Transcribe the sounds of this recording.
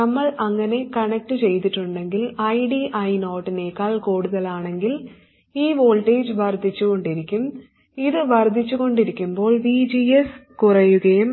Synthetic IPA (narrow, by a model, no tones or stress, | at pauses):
nɐmːɐɭɐŋːɐne̞kɐɳɐk̚ʈɨt͡ɕe̞jt̪iʈːuɳɖe̞ŋɡilɐjɖiʔɐjnoːʈːine̞ːkːaːɭkoːɽuðɐlaːɳe̞ŋɡil | iːʋo̞ːlʈe̞ːd͡ʑʋɐrd̪ʱːit͡ɕːuɣo̞ɳɖiɾikʲːum | iðɨʋɐrd̪ʱit͡ɕːuɣo̞ɳɖiɾikʲːumbo̞ːɭɖid͡ʑieskurɐjuɣɐjum